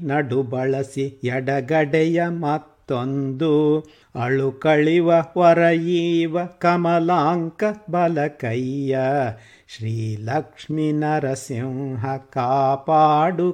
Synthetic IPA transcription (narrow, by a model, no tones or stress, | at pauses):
nɐɖubɐɭɐsijɛɖɐɡɐɖɛjɐmɐt̪ːond̪u | ɐɭukɐɭiʋɐʋɐɾɐjiːʋɐkɐmɐlaːŋkɐbɐlɐkɐjːɐ | ʃɾiːlɐkʂminɐɾɐsimɦɐkaːpaːɖu